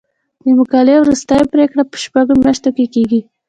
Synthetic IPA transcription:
d̪əmʊkɑlewɾust̪ajpɾekɽapə̥ʃpaɡomjaʃt̪okekeɡi

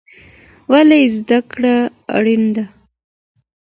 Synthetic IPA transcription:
walejzd̪akɽa | a̰ɽind̪a

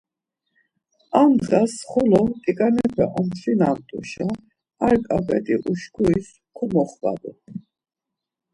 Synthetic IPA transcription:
amd̪ʁasχɔlɔt̪ʼikʼanɛpʰɛʔɔmt̪ʰɾinamt̪ʼṵʃa | aɾkʼapʼɛt̪ʼiʔuʃkʰuis | kʰɔmɔχva̰d̪u

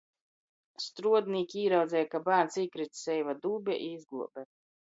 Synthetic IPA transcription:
st̪ɾuɔd̪nʲiːkʲiːɾawd̪zʲɛjakabæːnsikɾit̪sɛjvad̪uːbʲɛ̰ʔizɡluɔbʲɛt̪

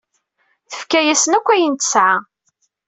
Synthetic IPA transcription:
θə̥fkæjæsənækʷːæjənt̪ə̥sʕa

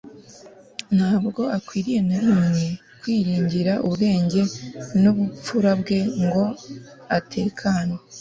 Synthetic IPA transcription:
n̥haːbɡo̞akwiːɾije̞naɾimɲe | kwiːɾiːɲɟiɾaʔuβɡe̞ːɲɟe̞nuβup͡fuɾabɡe̞ŋɡo̞ | atʰe̞ːkʰaːnwe

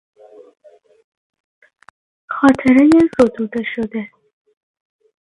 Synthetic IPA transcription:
xɑt̪ʰɪɾəjezod̪ud̪aʃod̪e

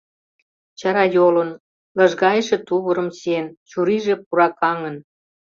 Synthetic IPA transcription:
t͡ɕɑɾɑjolə̆n | lɑ̆ʒɣɑjeʃĕt̪uβə̆ɾə̆msent͡ɕuɾiʒĕpuɾɑkɑŋə̆n

